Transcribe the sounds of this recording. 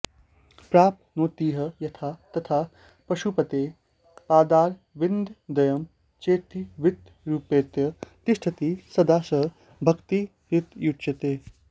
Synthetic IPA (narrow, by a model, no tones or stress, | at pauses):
pɾaːpnoːt̪iːɦɐjɐt̪ʰaːt̪ɐt̪ʰaː | pɐʃupɐt̪eː | paːd̪aːɾ | ʋɪnd̪d̪ɐjɐm | t͡ʃeːt̪iʋɪt̪ | ɾuːpeːt̪jɐt̪ɪʃʈʰɐt̪iːsɐd̪aːsɐ | bʱɐkt̪i | ɾɪt̪jutːt͡ʃɐt̪eː